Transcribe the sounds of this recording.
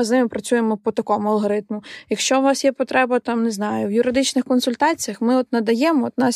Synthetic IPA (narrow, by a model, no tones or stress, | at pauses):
ɪznɪmɪpɾɐt͡sʲujemɔpɔt̪ɐkɔmʊɐlˠɦɔɾɪt̪mʊjɐkʃt͡ʃɔwnɑsjɛpɔt̪ɾɛbɐt̪ɑmneznɑjʊwjʊɾɪd̪ɪt͡ʃnɪxkɔnsʊlʲt̪ɑt͡sʲijɐxmɪɔt̪nɐd̪ɐjɛmɔɔt̪nɑs